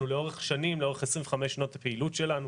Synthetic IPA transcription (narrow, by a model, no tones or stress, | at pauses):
uleo̞ʁeχʃanimleo̞eχesʁĩveχameʃanotapeilutʃe̞lanu